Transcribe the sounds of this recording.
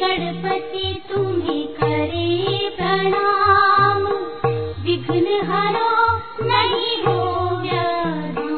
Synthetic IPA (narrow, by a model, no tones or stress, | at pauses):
ɐɽpət̪it̪umẽkɐɾepɾɐɽam | ʋɪɡʱnəɦɐɾo | nɐɦiboːʋja